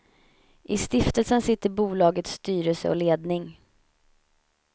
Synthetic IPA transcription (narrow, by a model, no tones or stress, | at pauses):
ʔɪst̪ɪft̪əlsənsɪt̪ːəɾbuːlɑːɡət̪st̪yːɾəlsə̰ɔ̰leːd̪nɪŋ